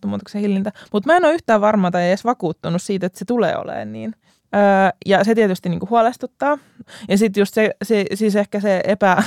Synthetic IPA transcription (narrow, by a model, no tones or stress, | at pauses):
muːt̪ɑksehilːint̪æmut̪mæenoːyht̪æːʋʋɑrmɑːt̪ɑeesʋɑkuːt̪ːunussiːt̪et̪set̪ulḛːo̰lḛːnniːn | əːjɑset̪iet̪yst̪iniːŋkuhuɑlest̪ut̪ːɑː | jɑsit̪just̪sesisisehkæseepæ